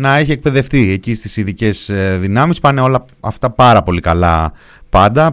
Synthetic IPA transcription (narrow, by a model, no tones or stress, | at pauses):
nɐeçiek̚pe̞ðe̞ft̪ie̞cist̪isiðice̞zðinɐmispɐneo̞lɐ | ɐft̪ɐpɐɾɐpo̞likɐlɐ̰ | pɐnd̪ɐ